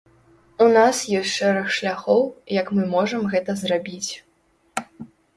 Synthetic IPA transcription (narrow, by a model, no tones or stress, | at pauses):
unasjɔsʲtʲʂɛɾɐxʂlʲaxɔwjɐkmɨmɔʐɐmɣɛt̪ɐzrabʲit͡sʲ